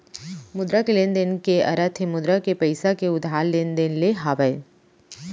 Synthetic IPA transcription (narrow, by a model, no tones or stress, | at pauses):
mʊd̪ɾakelend̪enkeɐ̰ɾət̪ʰemʊd̪ɾakepɐɪsakeʊd̪ʱaːllend̪enleɦaːbəe